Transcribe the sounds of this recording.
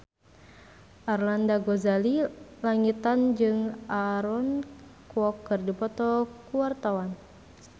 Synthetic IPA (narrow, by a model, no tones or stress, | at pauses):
ʔarlandaɡɔzalilaŋit̪and͡ʒɨŋaɾɔnkwɔkːɨrdipɔt̪ɔkuwart̪awan